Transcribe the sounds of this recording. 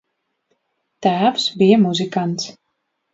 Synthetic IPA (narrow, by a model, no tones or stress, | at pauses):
t̪æːwsbijɛmuzʲikant̪s